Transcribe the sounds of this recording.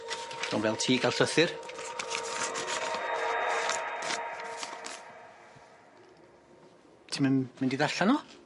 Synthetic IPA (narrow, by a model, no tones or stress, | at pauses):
d̥o̰nvɛlˠtʰiːɡalˠɬəθɪr | tʰimanmɪndiðaɬanɔ